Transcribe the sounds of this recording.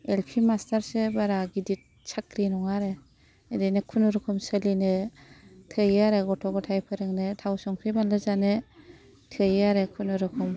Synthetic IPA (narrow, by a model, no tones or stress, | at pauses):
elpʰimastʰaɾsebaɾaɡidit̚ | sʰakɾinɔŋaɾe | edenɯkʰunɯɾɯkʰɯmsəlinɯ | tʰɯjaɾeɡɔtʰɔɡɔtʰajpʰɯɾɯŋnɯtʰawsɔŋkʰɾibanlɯzanɯ | tʰɯjaɾekʰunɯɾɯkʰɔm